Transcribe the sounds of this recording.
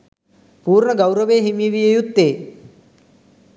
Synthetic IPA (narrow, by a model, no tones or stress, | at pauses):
puːɾɳɐɡɐwɾɐʋeːɦimjiʋijɐjut̪ːeː